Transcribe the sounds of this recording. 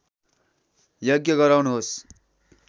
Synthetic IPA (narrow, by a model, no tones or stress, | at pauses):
jʌɡjʌɡʌɾawnuɦos